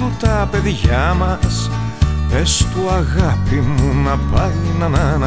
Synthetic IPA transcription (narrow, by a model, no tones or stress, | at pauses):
ut̪ɐpe̞ðʝɐmɐs | pe̞st̪uɐɣɐpimunɐpɐjnɐnɐnɐ